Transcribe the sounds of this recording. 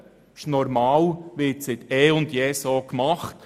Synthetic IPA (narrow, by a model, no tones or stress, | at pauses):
ʃnɔɾmɑːlʋɪtsɪt̪ɛːʊndjɛːsoːkmɑχt